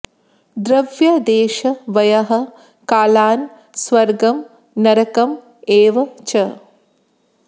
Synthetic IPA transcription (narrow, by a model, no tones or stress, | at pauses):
d̪ɾɐʋjɐd̪eːʃɐʋɐjɐɦɐ̆ | kaːlaːn | sʋɐɾɡɐm | nɐɾɐkɐm | eːʋɐt͡ʃɐ